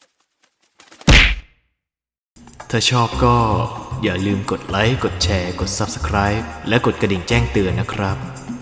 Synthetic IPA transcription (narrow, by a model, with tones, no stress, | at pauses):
t̪ʰaː˥˩t͡ɕʰɔː˥˩p̚kɔː˥˩jaː˨˩lɯː˧mko˨˩t̪̚la˦˥jko˨˩t̪̚t͡ɕʰɛː˧ko˨˩t̪̚sa˦˥p̚sḁ˧kʰɾaː˦˥jp̚lɛ˦˥ko˨˩t̪̚ka˧di˨˩nt͡ɕɛː˥˩ŋt̪ɯ˧ənːa˦˥kʰɾa˦˥p̚